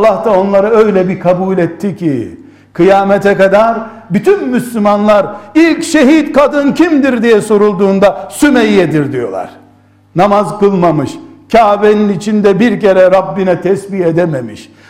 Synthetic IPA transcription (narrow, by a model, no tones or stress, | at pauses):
lˠːaht̪ao̞nlˠaɾaø̞jlʲɛbikʰabuːlʲɛt̪ʰːicʰi | kʰɯjaːmɛt̪ʰɛkad̪aɾ | byt̪ʰynmyslʲymanlˠaɾilʲcʃeɦit̪kad̪ɯncʰimd̪iɾd̪ijɛso̞ɾulˠd̪uːnd̪asymɛjjɛd̪iɾd̪ijo̞̰lˠa̰ɾ̥ | namazkɯlˠmamɯʃcʰaːveninit͡ʃʰind̪ɛbiɾceɾɛɾabːinɛt̪ʰɛsbied̪ɛmemḭʃ